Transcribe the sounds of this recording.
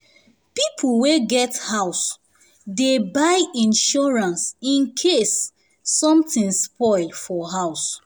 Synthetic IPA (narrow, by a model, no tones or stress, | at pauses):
pipʰl̩weɡɛthaʊs | debaɪĩnʃɔɹãnsĩnkʰesː | ɔ̃mtĩnspɔɪlfɔɦaʊs